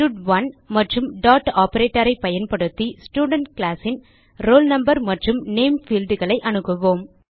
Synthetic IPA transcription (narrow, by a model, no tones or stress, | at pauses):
uɖʋɐnmɐʈrɯmɖaːʈaːpɐɾeːʈːɐɾɐɪpɐjɐnpɐɽɯt̪ːisʈuːɖɐɳʈkɭaːsɪn | ɾoːlnɐmbɐɾmɐʈrɯmneːmfiːlɖ̪ɯɣɐɭɐɪʔɐnɯkːɯʋoːm